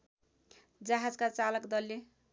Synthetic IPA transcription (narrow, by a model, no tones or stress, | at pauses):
d͡zaɦad͡zkat͡salʌkd̪ʌlːe